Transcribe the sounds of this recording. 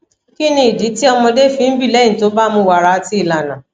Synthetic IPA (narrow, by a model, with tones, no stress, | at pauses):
ki˦nĩ˧i˨di˨˦ti˦ɔ˧mɔ̃˧de˦˨fĩ˨˦bi˦˨lɛ˦ĩ˦˨to˨˦ba˦mũ˧wa˨ɾa˨˧ti˦i˦˨la˨nã˨